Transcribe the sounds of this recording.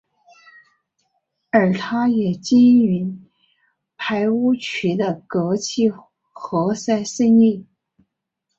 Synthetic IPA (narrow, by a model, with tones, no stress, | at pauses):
ə˞˨˩t̪ʰa˥jɛ˨˩t͡ɕi˥ny˧˥ | pʰa˧˥ɪu˥t͡ɕʰy˧˥d̪ə˧kɤ˧˥t͡ɕʰi˥˩ | xɤ˧˥sa˥ɪsə˥ŋi˥˩